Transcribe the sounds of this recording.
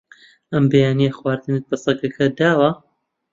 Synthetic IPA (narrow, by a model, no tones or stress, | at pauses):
ʔɐmbejaːnijɐxwaːɾd̪ɨnɨk̚bɐsˤɐkɐkʰɐd̪aːwɐ